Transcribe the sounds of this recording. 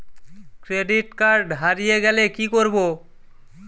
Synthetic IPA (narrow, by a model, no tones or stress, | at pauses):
kɾeɖiʈkaɾɖɦaɾijeɡɛlekikoɾbo